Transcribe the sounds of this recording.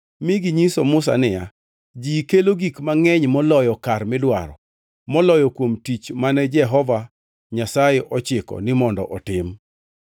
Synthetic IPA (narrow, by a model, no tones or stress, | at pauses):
mɪɡiɲisomʊsa̰nɪja | d͡ʒiːkeloɡikmaŋɛɲmɔlɔjɔkarmɪlwa̰ɾɔ̰ | mɔlɔjɔkwomtit͡ʃmanɛd͡ʒɛɦɔva | ɲasajɪʔɔt͡ʃɪkɔ̰nɪmɔndɔ̰ʔɔtɪm